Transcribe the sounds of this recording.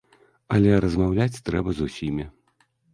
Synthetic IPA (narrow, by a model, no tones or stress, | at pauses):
ɐlʲɛɾɐzmawlʲat͡sʲt̪ɾɛbɐzusʲimʲi